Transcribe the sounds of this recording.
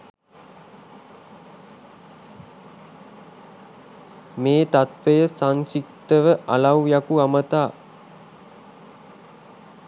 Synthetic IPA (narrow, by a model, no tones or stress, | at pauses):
meːt̪at̪ʋejəsansik̚t̪əʋəʔalawjakuamət̪aː